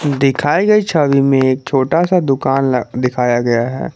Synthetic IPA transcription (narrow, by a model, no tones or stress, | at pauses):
d̪ɪkʰaːiɡɐit͡ʃʰaːʋimẽeːk̚t͡ʃʰoːʈasad̪ʊkaːnd̪ɪkʰaːjaɡɐjaɦɛ̰ː